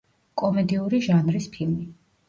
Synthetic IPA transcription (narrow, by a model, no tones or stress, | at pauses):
kʼɔmɛd̪iuɾiʒanɾispʰilˠmi